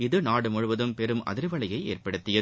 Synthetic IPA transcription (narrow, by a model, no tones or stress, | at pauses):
ɪðɯnaːɽɯmɔɻɯʋɐðɯmpɛɾɯmʔɐ̰ðɪɾʋɐɭɐjɐɪḛːrpɐɽɯt̪ːɪjɐð